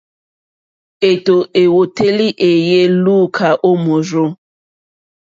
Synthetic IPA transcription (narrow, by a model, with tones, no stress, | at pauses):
e˨to˨ʔe˨wo˨te˦li˦ʔe˨je˦luː˦˨kʰa˨ʔo˦mo˨ɾo˦